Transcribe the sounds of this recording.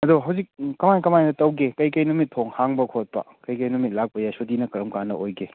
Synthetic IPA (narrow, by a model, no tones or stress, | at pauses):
ɐduɦɐwzik̚kɐmajkɐmajnɐtɐwɡekɐjkɐjnumit̚ʰːoŋhaŋbɐkʰot̚pɐ̰kɐjkɐjnumit̚lak̚pɐjasodinɐkɐɾɐmkanːɐ̰ojɡe